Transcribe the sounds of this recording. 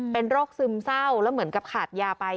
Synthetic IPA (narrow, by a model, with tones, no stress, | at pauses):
pe˧nɾoː˥˩k̚sɯ˧msa˥˩wlɛ˦˥wmɯ˩˦ənka˨˩p̚kʰaː˨˩t̪̚jaː˧pa˧j